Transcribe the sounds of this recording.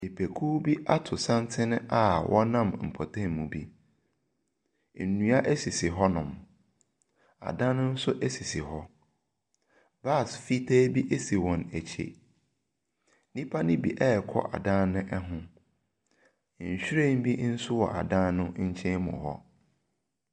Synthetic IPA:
i˨pʰe˨kʰuː˦bi˦ʔa˦tʰʊ˨sã˦ntʰɪ˦nɪ̃˦ʔa˨wʔɔ˦nã˦˨m˨m̩˨pʰɔ˨tʰẽ˦˨m˨mũ˨bi˦˨ | nũ˨a˦ʔæ˦si˨sɪ˨ɦɔ˦nʊ̃˨m | a̰˨dã˦nːʊ̃˦n̩˦sʊ˦ʔæ˦si˨sɪ˨ɦɔ˦ | ba˦˨sfi˦tʰæː˦bi˦ʔe˦si˨wɔ̃˨næ˨t͡ɕʰḛ˦ | nĩ˦pʰa˦nɪ̃˦bi˨ʔɛ˦˨kʰɔ̰˦ʔa̰˨dã˦nʊ̃˦ʔɛ˦ɦʊ̃˦˨ | ɲ̩˨ɕᶣɾẽ˦˨m̩˦bi˦n̩˦sʊ˦wɔ̰˨ʔa̰˨dã˦nʊ̃˦ɲ̩˦t͡ɕʰɛ̃˦mʊ̰̃˨hɔ̰˦

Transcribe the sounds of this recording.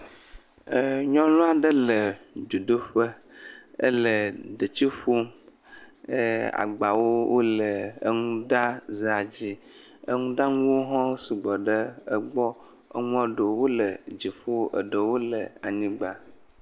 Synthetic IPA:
ɲɔ̃˦lɔ˦a˨ɖə˦lə˨d͡ʒo˨d̪o˦ɸə˦ | ə̰˦lə˨ɖə˨t͡ɕi˦ɸo˦m | ə˦a̰˨ɡ͡ba˨wo˦wʔo˦lə˨ə̰˦ŋũ˦ɖa˦ze˨a˨d͡ʑi˦ | ə̰˦ŋũ˦ɖa˦ŋũ˦wo˦ɦɔ̃˦si˨ɡ͡bɔ˨ɖə˦ə˦ɡ͡bɔ˦ | ə̰˦ŋũ˦a˦ɖo˨wo˦lə˨d͡ʑi˨ɸo˦ə̰˨ɖə˨wo˦lə˨a̰˨ɲĩ˦ɡ͡ba˨

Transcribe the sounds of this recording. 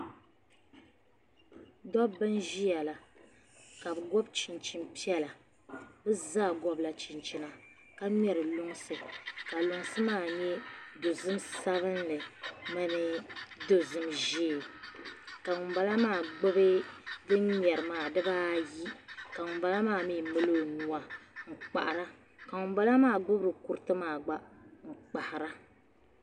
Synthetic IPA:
dɔ˦bɨ˦nʒi˦ja˨la˨ | ka˨bɨ˨ɡɔ˦bt͡ʃi˨nt͡ʃi˦mpi˦ɛ˦la˨ | bɨ˦za˦˨ɡɔ˦bla˨t͡ʃi˨nt͡ʃi˨na˨ | ka˦mɛ˨ɾɨ˨lʊ˦ŋ˦sɨ˨ka˨lʊ˨ŋsɨ˦maː˦˨ɲɛ˦do˨zɨ˦msa˦βɨ˦nlɨ˨ma˦nɨ˦do˨zɨ˦mʒiː˦˨ | ka˨ŋʊ˨ba˨la˦maː˦˨ɡ͡bʊ˦bɨ˦dɨ˦nɲɛ˨ɾɨ˨maː˨dɨ˦baː˦ji˦ka˨ŋʊ˨˦ba˨˦la˦maː˦˨mi˦mɨ˦lo˦˨nu˨a˨ŋ̩˨k͡pa̰˨ʔa˨ɾa˦ | ka˨ŋʊ˨m˦ba˦la˦maː˦˨ɡ͡bʊ˦bɾɨ˨ku˦ɾɨ˦tɨ˦maː˨ɡ͡ba˦ŋ̩˨k͡pa˨ha˨ɾa˦

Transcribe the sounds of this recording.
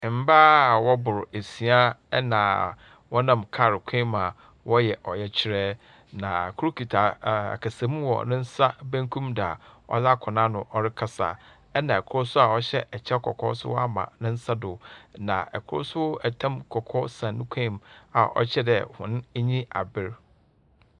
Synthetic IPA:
m̩˦baː˦˨wɔ˦bʊ˨ɾe˨si˨a˦ɛ˦nã˨ | wɔ˦nã˦˨mkʰa˦˨ɾɪ˨kʷʰẽ˦ma˨ | wɔ˦jɛ˨ʔɔ˨jɛ˦t͡ɕʰɪ˦ɾɛ˦ | nã˨kʰʊ˦ɾʊ˦kʰi˨tʰa˨a̰˨kʰa˨se˨˦mũ˦wɔ̰˨nɪ̃˦n̩˦sa˦bæ̃˦ŋkʰũ˦mda̰˨ɔ̰˦za˦kʰɔ̃˨nã˦nʊ̃˨ʔɔ˦ɾɪ˦kʰa˦sa̰˨ | ɛ˦nã˨ɛ˨kʰʊ˦ɾʊ˦sʊ˦a˨ɔ˦ɕɛ˦ʔɛ˨t͡ɕʰɛ˦kʰɔ̰˨kʰɔ˦sʊ̰˦wɔ˦a˦mã̰˨nɪ̃˦n̩˦sa˦dʊ˨nã˨ɛ̰˨kʰʊ˦ʊ̰˦sʊ˦ɛ˨tʰã˦mkʰɔ˨kʰɔ˦sã˨nːʊ̃˦kʷʰẽ˦˨ma˨ʔɔ̰˦t͡ɕʰɛ˦dɛ˨hʊ̃˨n˦ɲĩ˦a̰˨bɪ˦ɾ

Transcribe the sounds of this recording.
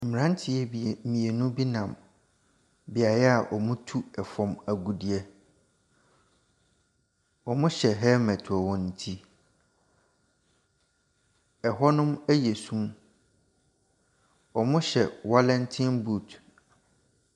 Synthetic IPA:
m̩˨ɾã˦n˦tʰɪ˨ɛ˦bmĩ˨e˨nũ˦bi˦nã˨m | bɪ˨a˨jɛ˦a˨ʔɔ˨mʊ̃˦tʰu˦ɛ˨fɔ̃˨mæ˨ɡu˨di˨ɛ˦ | ɔ˨mʊ̃˦ɕɛ˨ɦɛ˦mɛ̃˨tʰɔ˨wɔ̃˨n˨tʰi˦ | ɛ˨ɦɔ˦nʊ̃˦mæ˦jɛ˨sũ˦m | ɔ˨mʊ̃˦ɕɛ˨wa˦lɛ̃˦ntʰɪ̃˦nbu˦˨t

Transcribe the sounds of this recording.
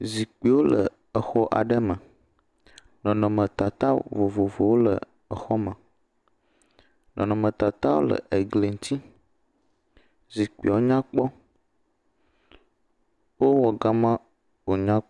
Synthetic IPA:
zi˨k͡pi˨wo˦lə˨ | ə˨xɔ˦ʔa̰˨ɖə˦mə˨ | nɔ̃˨nɔ̃˨mə̃˨t̪a˨t̪a˦vo˨vo˨vo˨wo˦lə̰˨ | ə˨xɔ˦mə̃˨ | nʔɔ̰̃˨nɔ̃˨mə̃˨t̪a˨t̪a˦wo̰˦lə̰˨ʔe˨ɡle˨ŋ˦t̪ʰi˦ | zi˨k͡pḭ˨wo˦ɲã˦k͡pɔ˦ | wo˦wɔ˨ɡa˦mə̃˦ | wo˨ɲã˦

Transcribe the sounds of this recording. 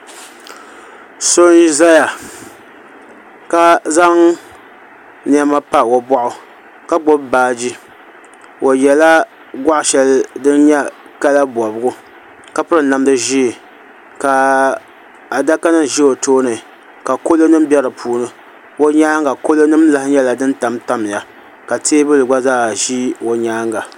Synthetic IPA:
so˦n˦za˦ja˨ | ka˦za˦ŋ | n˦a˦ma˦pa˦˨wo˨bɔ˦ʔʊ˨ | ka˦ɡ͡bo˦bbaː˦˨d͡ʒi˦ | ʔo˨jɛ˨la˦ | ɡʷa˦ʔʃɛ˨ldɨ˦nɲɛ˦ka˦la˦bɔ˨bɡʊ˦ | ka˦pɨ˦ɾɨ˨na˨m˦dɨ˦ʒi˦˨ | ka˨ | a˨da˦ka˦nɨ˦˨ʒi˦o˨toː˦nɨ˨ | ka˨ko˦lo˦nɨ˦m˦bɛ˦ɾɨ˨pʰuː˨˦nɨ˨ | wo˦ɲaː˦ŋɡa˨ko˦lo˦nɨ˦mla˦hɪ˦ɲɛ˦la˨dɨ˦n˦ta˨mta˦m˨ja˨ | ka˨teː˦bɨ˦lɨ˨ɡ͡ba˦zaː˦ʒi˦wo˨ɲaː˦ŋɡa˨

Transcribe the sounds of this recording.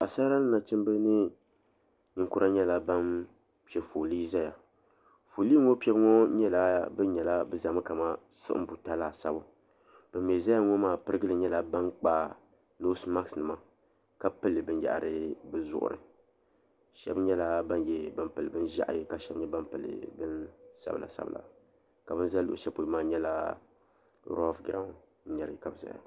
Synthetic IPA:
a˨sa˦ɾa˦nɨ˦na˨t͡ʃɨ˦mbɨ˦nɨ˦ | ɲɪ˨ŋku˦ɾa˦ɲɛ˦la˦ba˦n | pɛ˦fo˨li˦za˦ja˨ | fo˨liː˦ŋo˦pɛ˦bŋo˦ɲɛ˦la˦bɨ˦n˦ɲɛ˨la˦bɨ˦za˨mɨ˦ka˨ma˦ | sɨ̰˦ʔm̩˦bu˨ta˦la˦˨sa˦bʊ˦ | b̥ɨ˨mmɛ˨za˦ja˦ŋo˦maː˦˨pɨ˦ɾɨ˦ɡɨ˦lɨ˨ɲɛ˦la˨ba˦nk͡paː˦ | no˦sma˦ksnɨ˨ma˦ | ka˦pɨ˦lːɨ˨bɨ˦n˦ja̰˨ʔɾɨ˦bɨ˦zʊ̰˦ʔʊ̰˦ɾɨ̰˨ | ʃɛ̰˦bɲɛ˦la˦ba˦njɛ˦bɨ˦mpɨ˨lɨ˨bɨ˦n˦ʒa˦ʔjka˦ʃɛ˦bɲɛ˦ba˦mpɨ˨lɨ̰˨bɨ˦nsa̰˦blʔa̰˨sa̰˦bɨ̰˨lʔa̰˨ | ka˨bɨ˦n˦za˦lʊ˦ʔʊ˨ʃɛ˦po˨lɨ˦maː˦˨ɲɛ˦la˦ | ɾɔ˦lfɡɾa˦ŋ̩˨˦ | ɲɛ˨ɾɨ˨ka˨bɨ˨za̰˨ja̰˨

